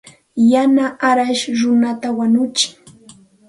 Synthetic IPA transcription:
janaʔaɾaʃɾʊnat̪awanʊt͡ʃɪ̥ŋ

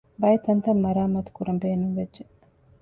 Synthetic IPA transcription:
bɐjet̪ɐnt̪ɐmːɐɾaːmɐt̪u̥kuɾɐmbeːnuŋʋedd͡ʒːe

